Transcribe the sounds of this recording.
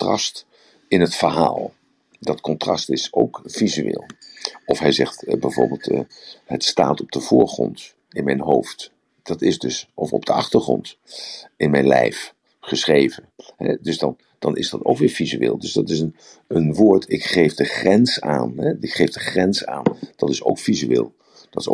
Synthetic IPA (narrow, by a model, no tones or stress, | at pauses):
trɑst | ɪnɦətfəɹɦa̰ːlˠ | dɑtkɔntrɑ̰stɪsowkv̥izyʋḛːlˠɔfɦɛjzɛχtbɛjvʊ̰ːɹbɪːlˠtːɦətsta̰ːtɔb̚d̥əv̥ʊːɹχrɔ̰nt | ɪnmɛjnɦowft | d̥ɑtɪzdɵsʔɔfɔ̰p̚d̥əɑχtəɹχrɔ̰nt | ɪnmɛjnlɛ̰jf | χəsχrejvənɦɛ̰dɵzdɑn | d̥ɑnʔɪ̰zdɑto̰wkʋɪːɹvizyḛːlˠdɵzdɑtɪsən | ənʋoːɹtʰɪkχejvdəχrɛnsaːnɦɛɪkχejvdəχrɛnsa̰ːnd̥ɑtɪsowkfizyʋeɪ̰ːlˠ | d̥ɑtɪ̥so̰